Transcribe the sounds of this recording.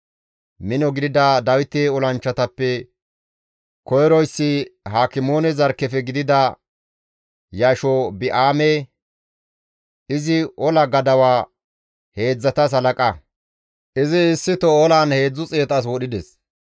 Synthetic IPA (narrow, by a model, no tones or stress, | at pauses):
mɪnɔɡɪd̪ɪd̪ɐd̪ɐwɪt̪eːɔlɐnt͡ʃːɐt̪ɐpːɛ | kɔjɛɾɔjsːɪɦaːkɪmo̞ːnɛzɐɾkːɛfɛɡɪd̪ɪd̪ɐ | jaːʃɔbɪʔaːmeː | ɪzɪʔɔlɐɡɐd̪ɐwaː | he̞ːd͡zːɐt̪ɐs̬ɐlɐkʼɐ | ʔɪzɪːsːɪt̪ɔɔlaːnhe̞ːd͡zːʊt͡sʼe̞ːt̪ɐs̬wɔɗɪd̪ɛs